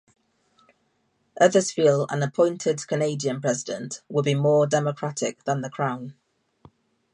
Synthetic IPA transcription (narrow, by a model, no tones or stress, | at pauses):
ʔəðəz̥fiːlə̰̃nəpʰɔ̃ɪ̃ntʰɪdkʰəneɪdiə̃npʰɹ̥ɛzɪdə̰̃nʔwədbimɔːdɛməkʰɹ̥atʰɪk̚ðə̃nðəkʰɹ̥ãʊ̃n